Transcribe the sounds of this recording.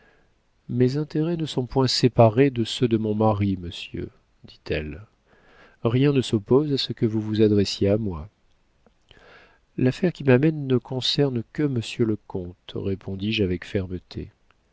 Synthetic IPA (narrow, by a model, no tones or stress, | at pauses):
mezɛ̃t̪eʁɛnəsɔ̃pwɛ̃sepaʁed̪əsød̪əmɔ̃maʁiməsjø̰ | d̪it̪ʰɛl | ʁjɛ̃nəsɔpozasəkəvuvuzad̪ʁesjeamwa | lafɛʁkʲimamɛnːəkɔ̃sɛʁnkəməsjøləkɔ̃t̪ʁepʰɔ̃d̪iʒavɛkfɛʁmət̪ʰḛ